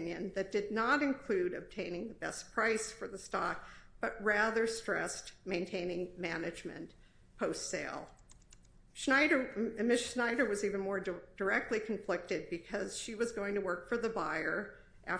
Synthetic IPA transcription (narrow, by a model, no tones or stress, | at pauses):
njɨ̰̃nðɨt̚d̥ɨdⁿnəɾɨ̃nkʰl̥ʉɾɨb̚tʰẽɪ̃nɪ̃ŋðəbɛspʰɹ̥aɪsfə˞ðəstɑk̚b̥ʌʔ̚ɹæðə˞stɹ̥ɛ̰stmẽɪ̃ntʰẽɪ̃nɪ̃ŋmænɨd͡ʒmɨ̰̃n | pʰoʊstseɪlˠ | ʃaɪɾə˞mɪʃnaɪɾə˞wʌzivɨ̃n̩mɔɹd̥ə˞ɛk̚tˡlikʰɨ̃ɱflɪk̚tɨd̚bɨkʰʌz̥ʃiwʌzɡoʊɪ̃ŋtʰɨwɜ˞kfə˞ðəbaɪə˞ | ʔæ̰